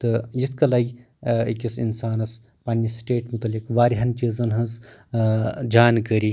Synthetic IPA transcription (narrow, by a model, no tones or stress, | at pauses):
t̪ɨjit̪ʰkɐlɐːɡʲ | ikʲisḭnsaːnɐs | pɐnʲːisʈeːʈmut̪ɐlːikʋaːɾiɦɐnt͡ʃizɐnɦɐz | d͡ʒaːnkəɾi